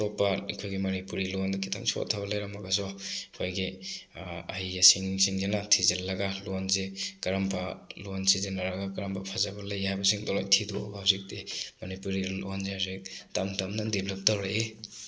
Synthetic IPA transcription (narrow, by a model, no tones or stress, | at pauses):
tɔpːaikʰojɡimɐnipuɾilondɐkʰitʰa̰ŋsʰo̰tʰaβɐlɐjɾamaɡas̬ɔkʰojɡi | ajasiŋsiŋzenatʰizelːɐɡalonzekɐɾampʰalonsizenːaɾaɡakaɾampʰapʰazabɐlajhajbɐsiŋdɔlojtʰido̰bahawzik̚temɐnipuɾilonzeazek̚tamtamnadibʱlɐp̚tawɾae